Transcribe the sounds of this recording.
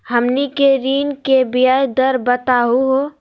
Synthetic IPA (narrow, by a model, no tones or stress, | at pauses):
həmnikeɾiːnkebijajd̪əɾbət̪aɦuɦo